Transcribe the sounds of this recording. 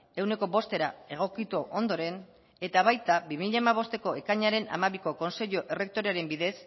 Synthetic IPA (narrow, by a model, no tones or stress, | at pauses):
e̞wne̞ko̞βo̞st̪e̞ɾae̞ɣ̞o̞kit̪uʔo̞nd̪o̞ɾe̞n | e̞t̪aβajt̪abimiʎaemaβ̞o̞st̪e̞ko̞e̞kaɲaɾe̞na̰maβiko̞ko̞nse̞ʎoʔe̞re̞k̚t̪o̞ɾeaɾe̞mbiðe̞s